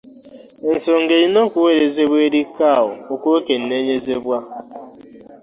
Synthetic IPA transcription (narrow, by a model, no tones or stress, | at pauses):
n̩soŋ̩ɡeinɔkʷuweɾezebʷeɾikaʊ̰okʷuoken̩neɲezebʷa